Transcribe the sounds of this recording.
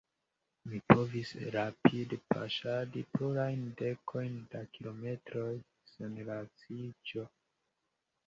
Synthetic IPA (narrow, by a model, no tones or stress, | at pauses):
mipo̞visɾapidepʰa̰ʃadipluɾajnde̞kʰo̞jndakilo̞me̞tɾo̞j | senɾat͡sid͡ʒo̞